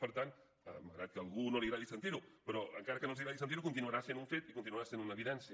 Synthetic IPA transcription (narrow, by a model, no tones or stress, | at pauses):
əɾt̪an | a̰məɣɾat̪̚kəalɣunoliɾaðisent̪iɾupəɾɔəŋkaɾɐkənosiɾaðis̬ent̪iɾukunt̪inuaɾasjend̪uɱfet̪ikunt̪inuaɾasend̪unəβiðɛnsj